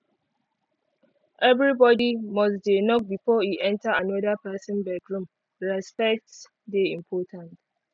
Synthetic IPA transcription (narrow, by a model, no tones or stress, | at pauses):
ʔɛvɹibɔdimɔsdenɔk̚bifɔiʔɛ̃ntʰaanɔðəpɛsɔ̃nbɛkɹũm | ɹɛspɛk̚ts | deĩmpʰɔtʰãnt